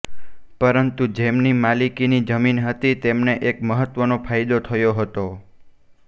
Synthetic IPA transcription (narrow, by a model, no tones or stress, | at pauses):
pəɾənt̪ud͡ʒemnimalikinid͡ʒəminɦət̪it̪emneʔekməɦət̪ʋənopʰajd̪ot̪ʰəjoɦət̪o